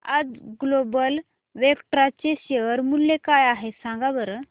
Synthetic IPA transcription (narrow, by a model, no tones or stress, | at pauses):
ad͡zɡlobəl | ʋekʈɾat͡ɕeɕeɾmulːekajaɦesãŋɡabəɾə